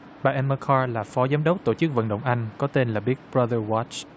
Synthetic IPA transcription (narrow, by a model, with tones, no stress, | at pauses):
ɓaː˨˩ʔɛ˧məː˧kʰaː˧laː˨˩fɔ˨˦zaː˨˦mɗə˦˥wk͡p̚t̪o˧˩t͡ɕɨ˦˥k̚və̰˧˨nɗə̰˧˨wŋ͡mʔa˧jŋ̟kɔ˨˦t̪e˧nlaː˨˩ɓi˦˥ət̚bɹa˧ðə˧wa˦˥t͡ʃ